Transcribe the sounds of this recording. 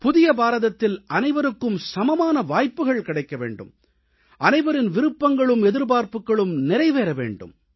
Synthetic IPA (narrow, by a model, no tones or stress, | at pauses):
pʊðɪjɐbaːɾɐðɐt̪ːɪlɐnɐɪʋɐɾɯkːɯmsɐmɐmaːnɐʋaːjpːɯɣɐɭkɪɽɐɪkːɐʋḛːɳɖɯ̰m | ʔɐnɐɪʋɐɾɪnʋɪɾɯpːɐŋɡɐɭɯmɛðɪɾbaːɾpɯkːɐɭɯmnɪɾɐɪʋeːɾɐʋḛːɳɖɯ̰m